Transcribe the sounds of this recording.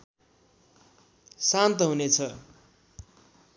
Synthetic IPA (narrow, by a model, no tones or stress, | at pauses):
sant̪ʌɦunet͡sʰʌ